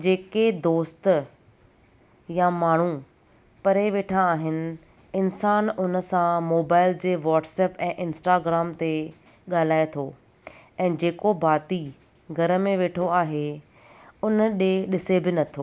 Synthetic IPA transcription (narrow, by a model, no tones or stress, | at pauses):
d͡ʑeːked̪oːst̪ | jamaːɳ̤u | pɐɾeʋeːʈʰaːɦɪnɪ̆ | ɪnsaːnʊnə̆sãmoːbaːɪld͡ʑeːʋɔːʈsɛːpɛ̃ːʔɪnsʈaːɡɾaːmt̪e | ɠaːl̤aːet̪ʰoː | ɛ̃ːd͡ʑeːkobaːt̪i | ɡʱɐɾə̆mẽʋeːʈʰoaːɦe | ʊnəɗeɗɪsebɪnɐt̪ʰoː